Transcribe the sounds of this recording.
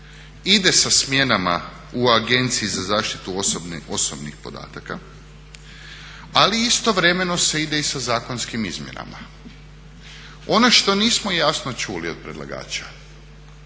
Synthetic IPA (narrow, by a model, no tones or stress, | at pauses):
id̪e̞sasmje̞nama̰ | uaɡe̞nt̪siizazaːʃt̪i̥t̪ubosobnixpo̞d̪a̰ːt̪aka | aliist̪o̞ʋɾe̞me̞no̞se̞id̪e̞isazaːkonskimḭzmje̞̰na̰ma̰ | o̞no̞ʃt̪o̞niːsmo̞jasno̞t͡ʃulio̞d̪̚pɾed̪lˠa̰ɡa̰ːt͡ʃa